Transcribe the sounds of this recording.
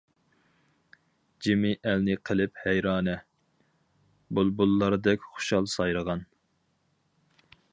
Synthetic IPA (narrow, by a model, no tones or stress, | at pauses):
d͡ʒimɪʔælnɪqʰəlɪphɛjɾɑːnɛ | bulˠbulˠːɑɾɨd̪ɛkʲχʊ̥ʃɑlˠsɑjɾəʁɑn